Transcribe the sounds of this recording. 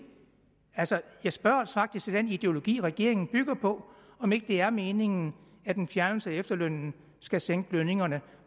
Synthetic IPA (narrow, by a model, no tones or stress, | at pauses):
ælsɒjɑ̈ɪsb̥ɶɐælsfɑ̈ɡ̥̚d̥isɡ̥d̥ænid̥e̝o̝lo̝ɡ̥ḭːʁɛɡ̥e̝̰ɐ̰e̝ŋn̩b̥yɡ̥ɐpʰɒ̽ɒ̽me̝ɡ̥əd̥e̝æɐme̝ːne̝ŋn̩ | æd̥enfjæɐnl̩səæefd̥ɐløn̰n̩ | sɡ̥æseŋ̰ɡ̥əløne̝ŋɐnə